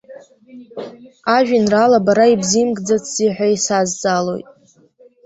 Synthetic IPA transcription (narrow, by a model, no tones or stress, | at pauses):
aʒᶣinralabaɾaibzimɡʼd͡zat͡sʰz̥iħʷᶣaisazd͡zalo̞̰jtʼ